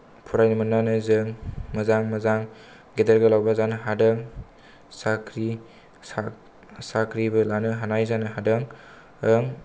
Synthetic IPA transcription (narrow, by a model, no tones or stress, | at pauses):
pʰuɾajnɯmɯnːanɯzɯŋmɐzaŋmɐzaŋ | ɡedeɾɡalawbazanɯɦadɯŋ | sakʰɾi | a | sakʰɾibɯlanɯɦanajzanɯɦadɯŋ | ɯŋ